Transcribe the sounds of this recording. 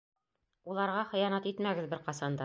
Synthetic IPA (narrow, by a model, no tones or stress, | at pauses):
ulˠɑɾʁɑχɤ̆jɑnɑt̪it̪mæɡɘ̆ðbɘɾqɑsɑnd̪ɑ